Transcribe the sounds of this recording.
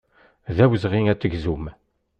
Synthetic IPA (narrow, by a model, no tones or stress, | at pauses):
ðæwəzʁiŋæt͡sːəɡzum